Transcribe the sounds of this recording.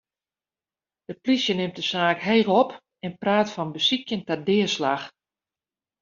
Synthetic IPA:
d̥əplisjənɪmtdəsaːkɦeːlɔp | ɛnpraːtfɔnbəsikjəntɛdɪəslax

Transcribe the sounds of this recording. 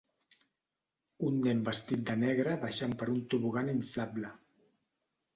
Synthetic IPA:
unːɛmbəst̪it̪̚d̪ənɛɣɾəβaʃampəɾunt̪uβuɣaniɱflablə

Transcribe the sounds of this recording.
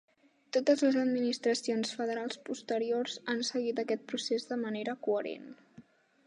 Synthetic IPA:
t̪ot̪əzləzəd̪minist̪ɾəsionsfəðəɾalˠspust̪əɾiorzansəɣit̪̬əkɛt̪̚pɾusezðəməneɾəkuəɾḛn

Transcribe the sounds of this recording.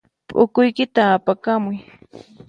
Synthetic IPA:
pʼʊkʊjkɪt̪aːpakamʊj

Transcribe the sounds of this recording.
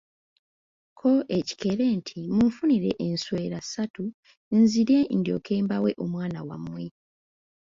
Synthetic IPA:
kʰo̞ʔe̞ci̥ke̞ɾe̞ːntʰimuɱfuniɾeʔensweːɾasatu | nziɾe̞ndjo̞̰kʰe̞ːmbawe̞ʔo̞mwaːnawa̰mːwe

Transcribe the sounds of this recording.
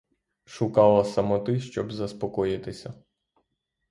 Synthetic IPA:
ʃʊkɑlˠɐsɐmɔt̪ɪʃt͡ʃɔbzɐspɔkɔjɪt̪ɪsʲɐ

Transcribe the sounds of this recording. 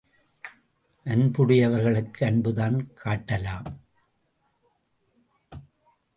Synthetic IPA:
ʔɐnbʊɽɪjɐʋɐɾɣɐɭɯkːɯɐnbɯðaːnkʰaːʈːɐlaːm

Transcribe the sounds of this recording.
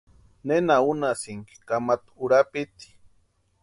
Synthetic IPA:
nenaunasiŋki̥kamat̪uɾapit̪i̥

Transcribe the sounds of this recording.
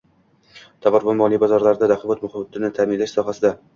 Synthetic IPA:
t̪ʰabaɾbamɒlˠibazɒɾlaɾd̪ad̪aqʰɪbat̪mʊhɪbat̪ʰɪnɪt̪ʰamɪnlaʃsɒɦasɪd̪a

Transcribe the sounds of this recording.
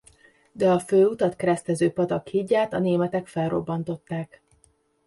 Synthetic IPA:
d̪ɛɒføːut̪ɒt̪kɛɾɛst̪ɛzøːpɒt̪ɒkhiɟːaːt̪ɒneːmɛt̪ɛkfɛlro̞̰bːɒnt̪o̞t̪ːaːk

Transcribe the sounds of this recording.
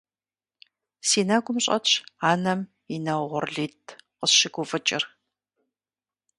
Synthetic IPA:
siːnaːɡʷʊmɕʼɐ̰ɕaːnɐm | inɐwʁʷʊrɮiːtʰqəsʃɪɡʷʊfɨt͡ʃʼɪ̰r

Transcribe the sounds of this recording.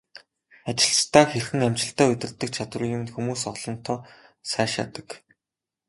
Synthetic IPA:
at͡ɕɪ̆ɬt͡ɕt̪ʰaːxerxɘ̆ŋæm̥t͡ɕɪ̆ɬt̪æːɵt̪ʲɪ̆rt̪ːɘ̆k̚t͡ɕʰat̪wə̆rjʲʊmɘ̆nxumuːsɔɮ̥ɞ̆n̥t̪ʰɔːsæːʃa̰t̪ə̥̆k

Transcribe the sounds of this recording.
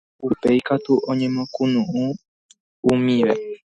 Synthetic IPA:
upe̞jkat̪uʔõɲẽ̞mõkũnũʔũ | umĩʋe

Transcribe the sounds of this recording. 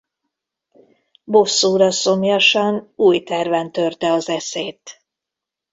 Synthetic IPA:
bosːuːɾɒso̞mjɒʃɒnuːjt̪ɛrvɛnt̪ø̞rt̪ɛɒzɛseːt̪

